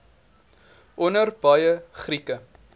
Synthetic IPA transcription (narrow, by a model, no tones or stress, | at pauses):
ʔɔnərbɐjəχrikə